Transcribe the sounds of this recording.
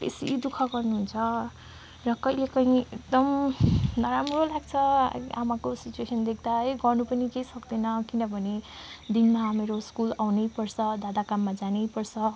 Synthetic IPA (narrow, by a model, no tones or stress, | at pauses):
t̪ḛsid̪ukʰʌɡʌrnuɦunt͡sʰʌ | rʌkʌɦilekʌĩek̚d̪ʌmnʌɾamrolaɡt͡sʰʌ̰a̰makosit͡ʃuesʌnd̪ek̚ʰd̪aeɡʌrnupʌnikejsʌkd̪enʌkinʌbʱʌned̪inmaameɾoskulawnʌjpʌrsʰʌd̪ad̪akamːad͡zanʌjpʌrsʰʌ